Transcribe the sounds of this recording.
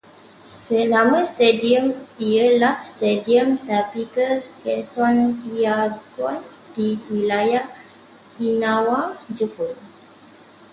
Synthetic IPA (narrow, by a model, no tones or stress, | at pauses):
ssəlamə̃st̪ediəmiəlahst̪ediəmt̪apikəkɛsɔniaɡwan | diwilajah | kʰinãwad͡ʒəpul